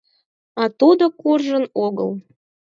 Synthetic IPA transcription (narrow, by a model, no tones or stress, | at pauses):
ɑt̪ud̪okurʒə̆noɡɤ̰lˠ